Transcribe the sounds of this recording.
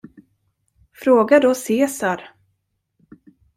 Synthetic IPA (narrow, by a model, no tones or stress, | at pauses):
fɾoːɡad̪ɔseːsaɾ